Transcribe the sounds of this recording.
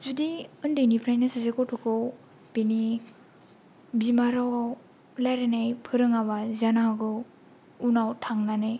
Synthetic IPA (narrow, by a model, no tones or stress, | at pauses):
zudiɯndɯjnipʰɾajnɯsazekɔwtʰɔkʰɔw | peni | bimaɾaw | lajɾenajpʰɯɾɯŋabazanaɦaɡɯ | unawtʰaŋnanɯj